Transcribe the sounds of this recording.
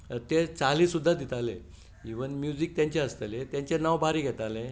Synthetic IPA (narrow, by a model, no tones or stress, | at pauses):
t̪et͡saliːsud̪ʱːad̪it̪alẽ | iʋənmjud͡zik̚t̪jaɲt͡ɕeəst̪əlet̪jaɲt͡ɕenawbʱaɾiɡʱɛt̪alẽ